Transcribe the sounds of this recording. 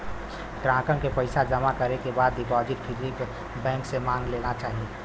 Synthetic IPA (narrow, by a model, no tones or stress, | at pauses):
ɡɾãːkənkepəɪsad͡ʒɐmakɐɾekebaːd̪ːɪpɔːd͡ʒɪʈpʰɪɾɾik | bɛ̃ːŋksemãːŋɡleːnat͡ʃaːɦie